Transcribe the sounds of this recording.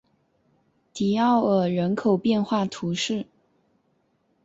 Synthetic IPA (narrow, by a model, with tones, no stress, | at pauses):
t̪i˨˩ɑ˥˩ʊə˨˩ɻə˧˥nkʰo˨˩ʊpjɛ˥˧nxwa˥˩t̪ʰu˧˥ʂɻ̩˥˩